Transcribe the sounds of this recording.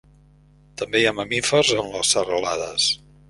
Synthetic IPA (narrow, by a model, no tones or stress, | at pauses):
t̪əmbejaməmifərzənləsərəlaðə̰s